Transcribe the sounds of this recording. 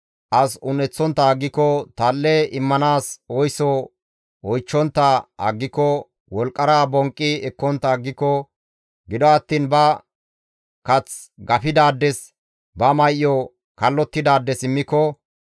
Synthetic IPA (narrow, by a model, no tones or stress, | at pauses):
ʔɐsʊnɛt͡sːɔnt̪ːɐːɡːɪkːɔt̪alːɛɪmːɐnaːsɔjsɔ | ɔjt͡ʃːɔnt̪ːɐɐ̰ɡːɪkːɔ | wɔlkʼːɐɾaːbɔŋkʼːɪɛkːɔnt̪ːɐːɡːɪkːɔ | ɡɪd̪ɔɐt̪ːiːnbɐ | kɐt͡s | ɡɐfɪd̪aːd̪ːɛs | bɐmɐjʔjɔ | kɐlːɔt̪ːɪd̪aːd̪ːɛsɪmːɪkːɔ